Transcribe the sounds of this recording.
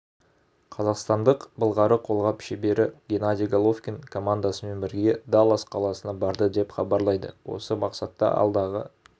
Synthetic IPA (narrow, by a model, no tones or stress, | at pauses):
qʰɑzɑqst̪ɑnd̪əqbəlˠʁɑɾəqʰo̞lˠʁɑpɪ̥ʃebe̞ɾɪɡʲenad̪ʲijɡolˠofkʲenkʰo̞mand̪asəme̞nbɪɾɡʲe̞d̪alˠɑsqʰɑlˠɑsənɑbɑɾd̪əd̪e̞pχɑbɑɾlˠɑjd̪ə̰wo̞̰səmɑqsɑt̪ːɑ̰ɑ̰lˠd̪ɑʁə̰